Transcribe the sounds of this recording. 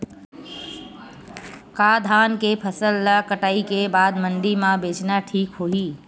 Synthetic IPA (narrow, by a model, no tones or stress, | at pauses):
kad̪ʱankepʰəsəlːakəʈaːikebaːd̪mənɖ̪imãbet͡ʃnaʈʰiːkɦoɦi